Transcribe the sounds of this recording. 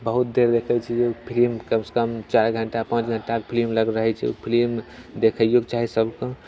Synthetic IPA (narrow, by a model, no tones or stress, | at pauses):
bəɦut̪̚d̪eɾd̪ekʰət͡ʃʰɛd͡ʒepʰilimkəmse̥kəmt͡ʃaɾɡʱəɳʈapãt͡ʃɡʱəɳʈakepʰilimləɡɾəɦɛt͡ʃʰɛ̰ṵpʰilim | d̪ekʰəjokt͡ʃaɦisəbkõ